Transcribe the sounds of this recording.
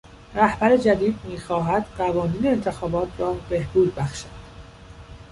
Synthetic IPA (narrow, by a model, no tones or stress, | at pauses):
ɾæhbæɾe̞d͡ʒæd̪iːd̪̚miːxɒːɦæd̪̥ɢævɒːniːne̞ːnt̪ʰe̞xɒːbɒːt̪ʰrɒːbe̞hb̥uːd̪̚bæxʃæd̪̥